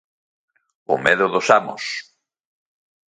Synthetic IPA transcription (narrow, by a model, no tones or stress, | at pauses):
ʊ̰meðʊðosamo̰s